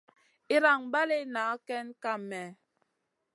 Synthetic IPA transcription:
i˦ɾa˨ŋba˦le˦na˨˦kɛ˦nka˦˨mɛ˨

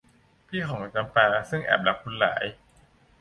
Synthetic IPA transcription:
pʰiː˥˩xʰɔː˩˦ŋʔa˧˩t͡ɕaː˧npaː˧sɯ˥˩ŋʔɛ̰ː˨˩p̚la˨˩p̚ʰːu˧nla̰ː˩˦j

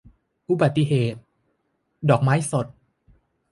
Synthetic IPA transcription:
ʔu˨˧˩ba˨˩t̪ːi˧ɦeː˨˩t̪̚ | dɔː˨˩k̚maː˦˥jso˨˩t̪̚

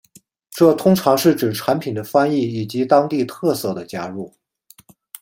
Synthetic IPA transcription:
ʈ͡ʂɤ˥˩t̪ʰʊ˥ŋʈ͡ʂʰɑ˧˥ŋʂɻ̩˥˩ʈ͡ʂ̩˨˩ʈ͡ʂʰa˧˥npʰi˨˩nd̪ə˦fa˥ni˥˩i˨˩t͡ɕi˧˥t̪ɑ˥ŋt̪i˥˧t̪ʰɤ˥˧sɤ˥˩d̪ə˩t͡ɕja̰˥ɻu˥˩

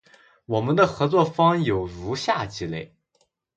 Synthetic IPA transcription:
wɔ˨˩mə˦nd̪ə˧xɤ˧˥t͡swɔ˥˩fɑ˥ŋjo˨˩ʊɻu˧˥ɕja˥˩t͡ɕi˧˥le˥˩ɪ

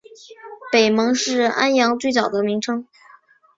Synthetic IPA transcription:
pe˨˩ɪmɤ˧˥ŋʂɻ̩˥˩˧a̰˥njɑ˧˥ŋt͡swe˥˩ɪt͡sɑ˨˩ʊd̪ə˦mi˧˥ŋʈ͡ʂʰɤ˥ŋ

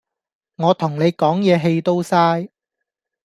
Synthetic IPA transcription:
ŋɔː˨˧t̪ʰʊ˨˩ŋne˨˧jkɔː˨˥ŋjɛː˨˧ɦe˧jt̪o˥wsaː˥j

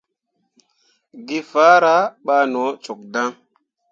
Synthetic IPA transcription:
ɡi˦fa˦ɾa˨˦ɓaː˦nɔ˨˦t͡ʃo˨k̚da˦ŋ

